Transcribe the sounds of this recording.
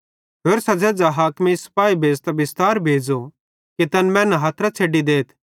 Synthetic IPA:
ɦeːɾsɐd͡ʒɛd͡zaɦaːkmisɐ̥paːibʱeːd͡zt̪ɐbɪst̪aːɾbʱeːd͡zo | ket̪ɐnmɛ̃ːnɐɦaːt̪ʰɾat͡sʰeːɖid̪eːt̪ʰ

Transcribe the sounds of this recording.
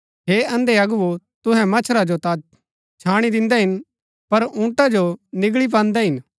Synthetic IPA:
ɦeːɐ̃nd̪eɐɡʊʋo | t̪ʊɦɛ̃mɐt͡ʃʰɾad͡ʒot̪a | t͡ʃʰaːɽ̃id̪ɪ̃nd̪ɛɦɪn | pɐɾũːʈad͡ʒonɪɡɭip̬ãːnd̪ɛɦɪn

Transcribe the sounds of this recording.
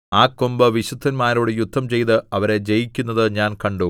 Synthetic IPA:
aːkːombɐʋiɕud̪ʱːɐnmaːɾoːɽɨjud̪ʱːɐmt͡ɕe̞jt̪ɨɐʋɐɾe̞d͡ʑejikʲːunːɐðɨɲaːnkɐɳɖu

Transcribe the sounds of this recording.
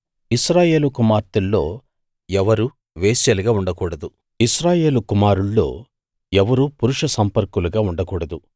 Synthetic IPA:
isɾaːje̞ːlukumaːɾt̪ulːo̞̰ː | ɛʋɐɾu | ʋeːsjɐliɡaːuɳɖɐkuːɽɐd̪u | isɾaːje̞ːlukumaːɾuɭːo̞̰ː | ɛʋɐɾupuɾuʂɐsɐmpɐɾkuluɡaːuɳɖɐkuːɽɐd̪u

